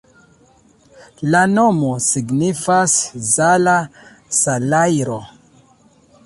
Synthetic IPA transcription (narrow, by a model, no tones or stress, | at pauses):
lano̞mosiɡnifaszala | salajɾo